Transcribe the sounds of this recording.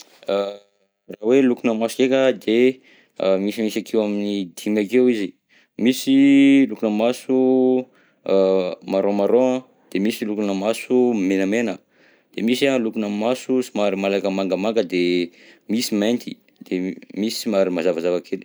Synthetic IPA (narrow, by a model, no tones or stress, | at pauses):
rawelukunəmasu̥kekəd̪e | misimisakʰewaminid̪imakewizi | misilukunəmasu | maɾomaɾoə | d̪̥emisilukunəmasumenəmenə | d̪̥emisalukunəmasusimaɾimalakəmaŋɡəmaŋɡəd̪emisiment̪i̥ | d̪̥emisi̥imaɾimazavazavakʰel